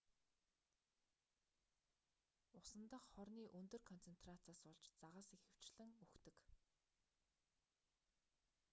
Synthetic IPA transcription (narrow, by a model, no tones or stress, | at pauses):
ʊsə̆nt̪ə̆χχɔrniːʔɵnt̪ɵ̆rkʰɔn̥t͡sʰen̥t̪rat͡saːsɔɮt͡ɕt͡saʁə̆ːsixɘ̆w̥t͡ɕɮɘ̆ŋɵxt̪ɵ̆k